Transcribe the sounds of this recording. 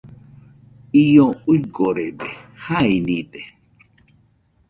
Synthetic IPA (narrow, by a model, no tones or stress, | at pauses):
ijoujɡoɾedehainide